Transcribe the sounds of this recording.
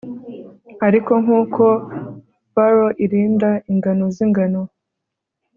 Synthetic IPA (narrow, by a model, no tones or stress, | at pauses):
aɾiko̞ŋhuːkʰo̞ | baɾoʔiɾiːndaiŋɡanoziŋɡano